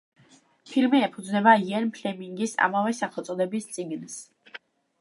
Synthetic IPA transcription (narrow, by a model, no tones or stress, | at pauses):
pʰilmiɛpʰud̪znɛbaiɛnpʰlɛmiŋɡisa̰mavɛsaχɛlˠt̪sʼɔd̪ɛbist̪sʼiɡns